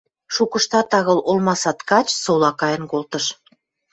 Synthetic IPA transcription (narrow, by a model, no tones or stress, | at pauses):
ʃukə̆ʃt̪ɑt̪ɑɣɤ̆lʔolmɑsɑt̪kɑt͡ɕsolɑkɑjə̆nkolt̪ə̆ʃ